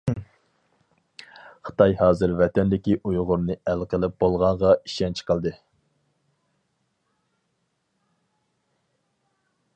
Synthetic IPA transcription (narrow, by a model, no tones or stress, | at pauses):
χə̥t̪ɑjhɑːzɨɾvɛt̪ɛnd̪ɪkʲiʔujʁʊɾnɨælqʰəlˠɪp̚b̥olˠʁɑɴʁɑiʃɛnt͡ʃʰə̥qʰəlˠd̪ɨ